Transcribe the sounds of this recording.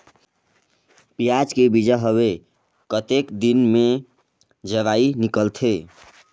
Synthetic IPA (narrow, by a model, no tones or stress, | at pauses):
pijad͡ʒkebid͡ʒaɦəβe | kət̪ekd̪inme | d͡ʒəʋainikəlt̪ʰe